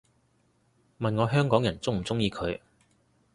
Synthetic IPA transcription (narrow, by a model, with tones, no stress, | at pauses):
mɐ˨nŋɔː˨˧ɦœː˥ŋkɔː˨˥ŋjɐ˨˩nt͡sʊ˥ŋm̩˨˩t͡sʊ˥ŋjiː˧kʰɵ˨˧ɥ